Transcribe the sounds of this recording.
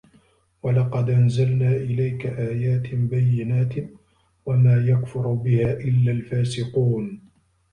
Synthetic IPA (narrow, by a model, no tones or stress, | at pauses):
walɑqɑd̪ʔanzalnaːʔɪlajkaʔaːjaːt̪ɪbajːɪnaːt̪ | wamaːjakfʊɾbɪhaːʔɪlːaːlfaːsɪquːn